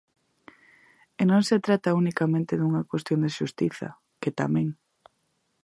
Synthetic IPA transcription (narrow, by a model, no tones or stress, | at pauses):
enõŋset̪ɾat̪ɐunikamẽnt̪ɪðuŋɐkwest̪jond̪eʃust̪iθɐ̰ | ket̪a̰mɛ̃ŋ